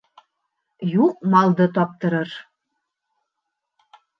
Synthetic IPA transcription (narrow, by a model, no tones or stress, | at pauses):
juk̚mɑld̪ɤ̆t̪̬ɑp̚t̪ɤ̆ɾɤ̆r